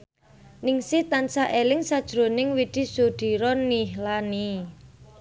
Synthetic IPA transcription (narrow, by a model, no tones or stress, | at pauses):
nɪŋsɪht̪ansaʔelɪŋsad̥ʒ̥ɾo̤nɪŋwid̪̥i̤sud̪̥i̤ɾɔniɦlani